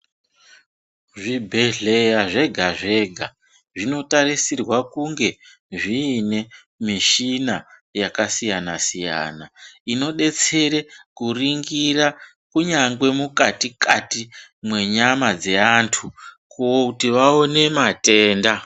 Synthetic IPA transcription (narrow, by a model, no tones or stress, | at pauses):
ʐibʱe̞ɮe̞jaʐe̞ɡʱaʐe̞ɡʱa | ʐino̞tarisirwakuŋɡe̞ | ʐiːne̞ | miʃinajakasijanasija̰ːnaino̞ɗe̞t͡se̞ɾekuriŋɡira | kuɲaŋɡwe̞mukatikatimwe̞ɲamad͡ze̞antʰu | kuokutiʋao̞ne̞mate̞ːnda